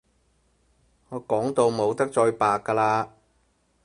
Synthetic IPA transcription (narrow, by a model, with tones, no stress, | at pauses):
ŋɔː˨˧kɔː˨˥ŋt̪o˧wmo˨˧wt̪ɐ˥k̚t͡ʃɔː˧jpaː˨˧kːaː˧laː˧